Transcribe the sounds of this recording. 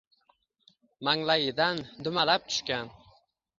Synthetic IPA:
maŋlajɪd̪and̪ʊmalap̚t̪ʰʊ̥ʃkʲan

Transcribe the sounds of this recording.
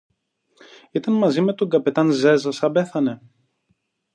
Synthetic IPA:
it̪ɐnmɐzime̞t̪oŋɡɐpe̞t̪ɐnze̞zɐsɐbe̞θɐne̞

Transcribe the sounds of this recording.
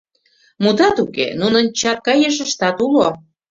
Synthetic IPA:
mud̪ɑt̪ukḛnunə̆nt͡ɕɑt̪̚kɑjeʃ̬əʃt̪ɑt̪ulo

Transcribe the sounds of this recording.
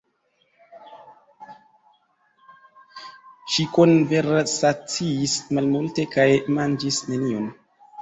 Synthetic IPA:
ʃiko̞nve̞ɾsat͡siːsmalmulte̞kajmand͡ʒisnenion

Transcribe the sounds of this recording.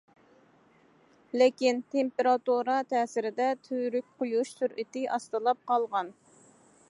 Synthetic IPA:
lɪkʲint̪ʰempeɾɑt̪uɾɑt̪ʰɛːsɪɾɪd̪ɛt̪ʰyɾykʲqʰojuʃsyɾʔɪt̪ɪʔɑst̪ɨlˠɑp̚qɑlˠʁɑn

